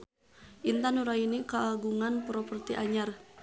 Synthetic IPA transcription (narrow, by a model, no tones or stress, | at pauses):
ʔint̪anuɾainikaːɡuŋanpɾɔpərt̪iʔaɲar